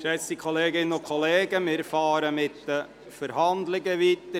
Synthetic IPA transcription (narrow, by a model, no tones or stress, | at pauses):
ʃɛt͡st̪ikʰoleːɡɪnənʊkʰoleːɡəmɪɾfɑːɾəmɪt̪də | fəɾhɑnd̪lɪɡəʋit̪ːə